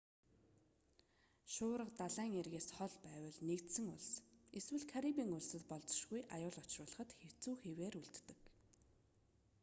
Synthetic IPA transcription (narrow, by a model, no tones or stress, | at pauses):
ʃʊːɾə̆qt̪aɮæːŋerɣeːsχɔɮpæːwə̆ɮnekt̪sɘ̆ŋʊɮseswɘ̆ɮkʰaɾipiːŋʊɮsɘ̆t̪pɔɮt͡sɞ̥̆ʃɣujʔajʊːɮɔt͡ɕrʊːɮə̆χə̆t̪xew̥t͡suːxeweːɾuɮt̪ːɘ̆k